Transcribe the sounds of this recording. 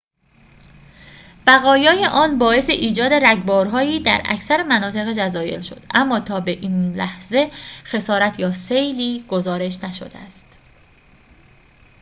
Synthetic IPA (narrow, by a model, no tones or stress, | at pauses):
b̥æɣɒːjɒːjeʔɒːnbɒːe̞seʔiːd͡ʒɒːd̪e̞ɾæɟbɒːɾɦɒːiːd̪æ̰ɾʔæ̰cʰsæɾemænɒːt̪ʰe̞ɣed͡ʒæzɒːje̞̰lʃo̞̰d̪̥ʔæmːɒːt̪ʰɒːbe̞ʔiːnlæhze̞xe̞sɒːɾæt̪ʰjɒːsejliːɡ̥ozɒːɾe̞ʃnæʃo̰d̪eæst̪